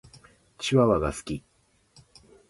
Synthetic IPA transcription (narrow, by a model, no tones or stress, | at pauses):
t͡ɕiβaβaɡasɨ̥kʲi